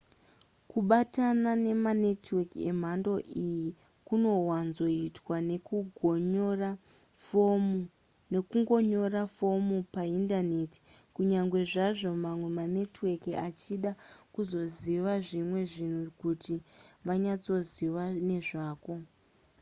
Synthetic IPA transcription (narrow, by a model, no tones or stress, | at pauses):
kuɓatanane̞manetweke̞̰m̤ando̞ʔiji | kuno̞wanzo̞itwanekuɡʱra | nekuŋɡo̞ɲo̞rafo̞mupaindane̞ti̥ | kuɲaŋɡwe̞ʐaʐo̞mamwe̞mane̞twekiat͡ʃiɗakuzo̞ziʋaʐimwe̞ʐin̤ukutiʋaɲat͡so̞ziʋane̞ʐaːko̞